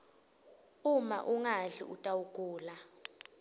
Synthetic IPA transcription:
uma̰ʔuŋaɮḭutʼawukʼuːla

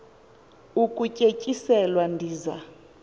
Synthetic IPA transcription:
ukʼucʼecʼisɛlwandʱiːza̰

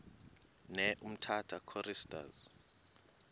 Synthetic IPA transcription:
nɛʔum̩tʰatʰakʰɔristʼa̰z

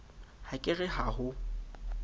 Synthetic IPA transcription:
hakʼɪɣɪhahʊ

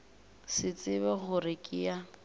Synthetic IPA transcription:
sɪt͡sʼɪbɛɣʊɾɪkʼɪa

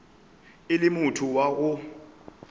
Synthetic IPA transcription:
ɪlɪmutʰuwaɣ̬ʊ

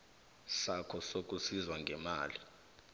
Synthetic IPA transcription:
sakʰɔsok̬ʼusizwaŋɡʱɛmaːli

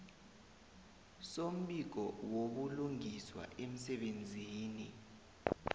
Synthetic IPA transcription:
som̩ɓik̬ɔwok̬uluŋiswa̰ʔem̩sɛɓend͡zʱiːni

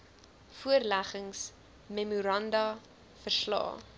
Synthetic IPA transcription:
fuərlæχəŋs | memuɾɐndɐ | fərslɑ̰ː

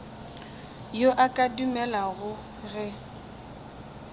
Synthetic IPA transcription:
joʔakʼadumɛlaɣʊ | ɣɛ

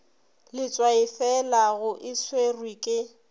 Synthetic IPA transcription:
lɪt͡sʼwaɪfɛlaɣʊʔɪswerwikʼɪ

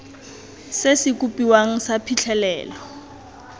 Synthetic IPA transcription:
sesɪk̬ʼupʼiwaŋ̩sapʰiɬʰɛlɛ̰ːlɔ

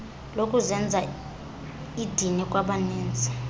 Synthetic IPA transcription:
lokʼuzɛnd͡zʱa | id̥ʱinɛkʼwaɓanɛːnd͡zʱɛ̥

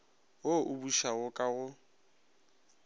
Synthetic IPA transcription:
woʔʊbuʃaɣʊkʼaɣʊ

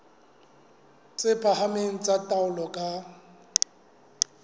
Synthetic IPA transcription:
t͡sʼɪpʰahameŋ̩t͡sʼatʼaʊlɔkʼa

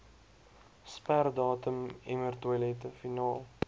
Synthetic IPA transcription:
spærdɑːtəmɛmərtəjlɛtəfinɑːlˠ

